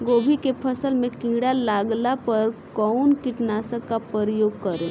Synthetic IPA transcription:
ɡoːbʱikepʰɐsəlmẽkĩɡɽalaːɡlapɐɾkɔːʊnkɪʈnaːsəkːapɾəɾəjoːɡ̚kɐɾẽː

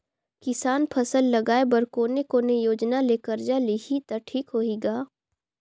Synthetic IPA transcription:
kɪsaːnpʰɐsəlːɐɡaːebɐɾkoːnekoːnejoːd͡ʒnaleːkəɾd͡ʒaliɦit̪ɐʈʰiːkɦoːiːɡaː

